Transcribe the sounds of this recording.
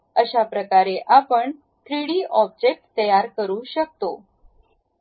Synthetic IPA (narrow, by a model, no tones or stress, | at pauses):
əɕapɾəkaɾeʔapəɳ | tɾiɽiːʔɔb̚d͡ʑek̚ʈt̪əjaɾkəɾuːɕək̚t̪o